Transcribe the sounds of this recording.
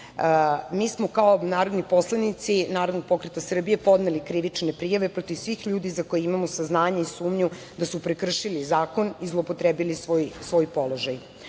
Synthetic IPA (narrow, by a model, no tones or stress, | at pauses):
miːsmo̞kaonaːɾo̞d̪nipo̞slanit̪sinaːɾod̪noɡ̚po̞kɾet̪asr̩bije̞po̞d̪nelikɾiʋit͡ʂne̞pɾijaʋe̞pɾo̞t̪iʋsʋiːxʎuːd̪izakojeimamosaznaːɲaisuːmɲu | d̪asupɾekr̩ʃilizaːko̞nizlˠo̞pot̪ɾebilisʋojsʋo̞jpo̞lo̞ʒaj